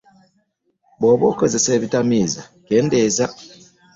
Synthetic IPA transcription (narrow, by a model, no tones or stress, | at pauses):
boβokəzeseβitamizakendeza